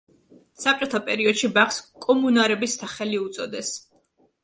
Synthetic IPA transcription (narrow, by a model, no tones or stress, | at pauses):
sap̚t͡ʃʼɔt̪ʰapʼɛɾiɔd̪̥ʃibaχskʼɔmunaɾɛbisːaχɛliut̪sʼɔd̪ɛs